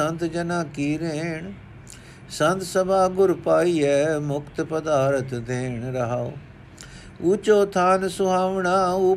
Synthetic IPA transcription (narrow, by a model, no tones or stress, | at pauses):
ənt̪d͡ʒənaːkiːɾeːɳ | sənt̪səbaːɡʊɾpaːiːɛːmʊkt̪pəd̪aːɾət̪d̪eːɳɾəɦaːo̰ː | ut͡ʃoːt̪ʰaːnsʊɦaːʋɳaːu